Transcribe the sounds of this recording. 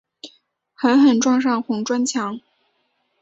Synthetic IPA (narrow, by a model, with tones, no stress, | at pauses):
xə˧˥nxə˨˩nʈ͡ʂwɑ˥˧ŋʂ̬ɑ˥˩ŋxʊ˧˥ŋʈ͡ʂwa˥nt͡ɕʰjɑ˧˥ŋ